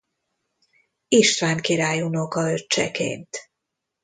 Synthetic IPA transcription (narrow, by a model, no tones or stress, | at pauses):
iʃt̪vaːŋkiɾaːjunokɒøt͡ʃːɛ̰kḛːnt̪